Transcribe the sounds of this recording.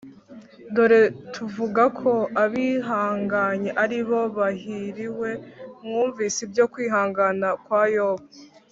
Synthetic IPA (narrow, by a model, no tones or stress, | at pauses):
do̞ɾe̞tʰuvuɡakʰo̞aβiɦaːŋɡaɲeʔaɾiβo̞βahiɾiwe̞mŋuːɱviːsibjo̞kwiːɦaːŋɡanakwaːjoβa